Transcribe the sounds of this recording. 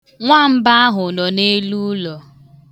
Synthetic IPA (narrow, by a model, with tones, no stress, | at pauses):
ŋʷa˦m̩˦ba˦a˦ɦʊ˨nɔ˨ne˦lu˦lɔ˨